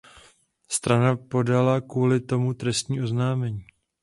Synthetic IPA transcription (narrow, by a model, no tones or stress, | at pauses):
st̪ɾanapo̞dalakuːlɪt̪o̞mut̪ɾɛst̪ɲiːʔo̞znaːmɛɲiː